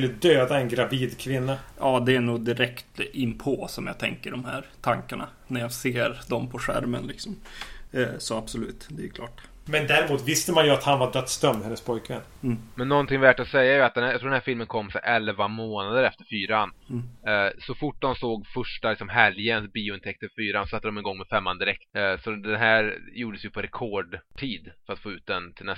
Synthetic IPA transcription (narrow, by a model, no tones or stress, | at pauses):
ɵlːəd̪øːd̪aɛnɡɾaviːd̪kʰvɪnːaɑːd̪ɛæɳuːɡ̚d̪ɪɾɛkt̪ɪmpʰosɔmja̰ːt̪ʰɛ̰ŋkəɖɔmhæ̰ːɾt̪ʰaŋkaɳa̰ | næɾjaːɡseːɾd̪ɔmpʰɔɧæ̰ɾmə̰nlɪksɔm | sɔab̥sɔlʉ̟ːt̪d̪ɛjʉkʰlɑːʈ | mɛnd̪æːɾɪmuːt̪vɪst̪əmanjɵat̪hanvaɖœt̪st̪œmd̪hɛnːəspʰɔjkvɛ̰nːmɛnːɔnt̪ɪŋvæʈɔsɛjːajɵat̪̚d̪ɛnjɑt̪ʰɾuːɖɛnæːfɪlmənkʰɔmːsɛ̰ʔɛlvamoːnad̪əɾɛft̪əɾfyːɾan | sɔfʊʈ̚ːd̪ɔmsoːɡfœʂʈalɪksɔmɦɛljənbiːʊɪnt̪ʰɛkt̪əvfyːɾansɔsat̪ːəd̪ɔmɛnɡɔŋːmɛfɛmːand̪ɪɾɛk̚t̪sɔd̪ɛnɦæːɾjuːɖəsjɵpʰɔɾɛkʰoːɖʈʰiːd̪fœɾat̪foːʉ̟ːt̪̚d̪ɛnt̪ʰɪlnɛ